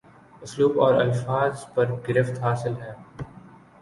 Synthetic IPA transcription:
ʊsluːbɔːɾɐ̰lfaːzpɐɾɡɪɾɪft̪ɦaːsɪlɦɛː

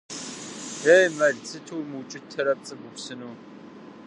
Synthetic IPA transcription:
eːjmɐɮt͡sʰʼɨtʰuwmɨt͡ʃʼɪtʰɐɾɐp̚t͡sʼɨɡʷʊpsɨnuː

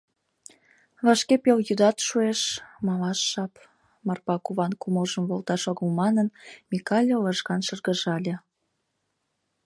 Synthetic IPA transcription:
βɑʃkepeljyd̪ɑt̪ʃueʃmɑlɑʃːɑp | mɑrpɑkuβɑnkumoʒəmβolt̪ɑʃoɣəlmɑnənmikɑlʲoləʃɣɑnʃərɣəʒɑlʲe

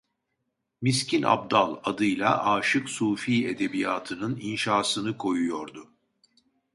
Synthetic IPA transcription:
miscʰina̰b̚d̪alˠad̪ɯjlˠaʔaːʃɯksuːfiːe̞d̪e̞bijaːt̪ʰɯnɯninʃaːsɯnɯkʰo̞jujo̞ɾd̪ʊ

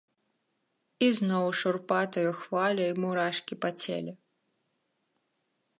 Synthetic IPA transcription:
iznɔwʂurpat̪ɐjuxvalʲɐimuɾaʂkʲipat͡sʲɛ̰lʲɛ

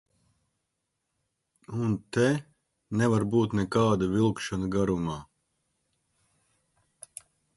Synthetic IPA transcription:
unt̪ɛ | nɛvaɾbuːt̪nɛkaːd̪avilˠkʃanaɡaɾumaː

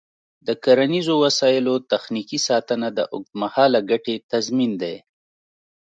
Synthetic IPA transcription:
d̪əkaɾanizowasɑjɪlot̪axnikisɑt̪ənad̪əʔʊk̚d̪mahɑlaɡaʈet̪azmind̪ej

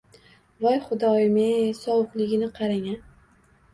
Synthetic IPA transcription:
vɒjχʊd̪ɒɪmeŋsɒwʊqlɪɡʲɪnɪqʰɑɾaŋan

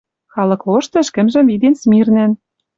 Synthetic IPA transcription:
xɑlɤ̆kloʃt̪ɘ̆ʃkɘ̆mʒɘ̆mvid̪ensmirnæ̆n

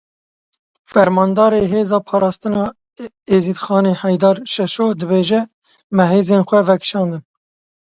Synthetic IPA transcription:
fɛɾmɑːnd̪ɑːɾeːɦeːzɑːpʰɑːɾɑːst̪ɨnɑː | eːzid̪xɑːneːhɛjd̪ɑːɾʃɛʃoːd̪ɨbeːʒɛ | mɛɦeːzenxʷɛvɛkʰʃɑːnd̪ɨn

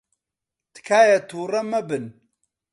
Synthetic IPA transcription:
t̪ɨ̥kʰaːjɐt̪ʰuːrɐmɐbɨn

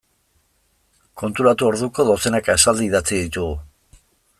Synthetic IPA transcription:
ko̞nt̪uɾat̪uo̞ɾðuko̞ðo̞se̞nakaesald̪iðat͡siðit̪uɣu

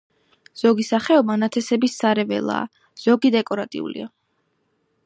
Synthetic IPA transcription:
z̥ɔɡisaχɛɔbanat̪ʰɛsɛbisːaɾɛvɛ̰lˠa̰ː | z̥ɔɡid̪ɛkʼɔɾat̪ʼḭṵlḭa

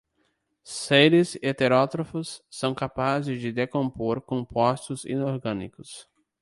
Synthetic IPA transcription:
seɾɪzet̪eɾɔt̪ɾofʊsːɐ̃w̃kapazɪzd͡ʒɪd̪ekõmpoɾkõmpɔst̪ʊzḭ̃noɾɡɐ̃nḭkʊs

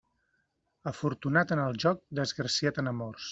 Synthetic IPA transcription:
əfuɾt̪unat̪ənəlˠʒɔk̚d̪əzɣɾəsiat̪ənəmɔrs

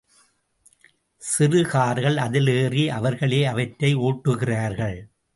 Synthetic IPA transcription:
sɪrɯɣaːɾɣɐɭɐðɪleːriʔɐʋɐɾɣɐɭeːɐʋɐʈɾɐɪoːʈːɯɣɪraːɾɣɐɭ

